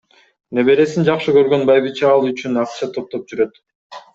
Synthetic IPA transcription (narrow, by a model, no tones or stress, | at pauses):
neβe̞ɾe̞sind͡ʒɑqʃɯkø̞ɾɡø̞nbɑjbɯt͡ʃɑɑlˠyt͡ʃynɑq̪ʃɑt̪ʰːo̞p̚t̪op̚d͡ʒyɾø̞t̪